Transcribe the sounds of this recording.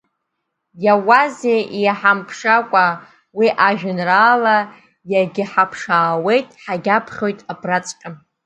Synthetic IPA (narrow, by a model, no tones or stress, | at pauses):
jawazeijaħampʰʂakʷʼa | wiʔaʒᶣʊnraːla | jaɡʲɪħapʰʂaːwe̞jtʼħaɡʲapʰχʲo̞jtʼabʰrat͡sʼʈ͡ʂʼɨm